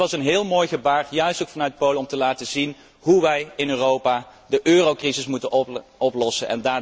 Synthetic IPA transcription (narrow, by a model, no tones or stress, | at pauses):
ʋɑsənɦɪːlˠmoːjχəbaːɹjœɥstowkfɑnœɥt̚powləɔmtəlaːtəzin | ɦuʋɛjɪnøːrowpaːdəʔøːrowkrizɪsmutənɔɔplɔsənʔɛ̰ndaː